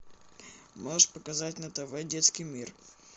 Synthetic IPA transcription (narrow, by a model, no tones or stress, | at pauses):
moʂpəkɐzatʲnət̪ɐvojdʲet̪skʲijmʲir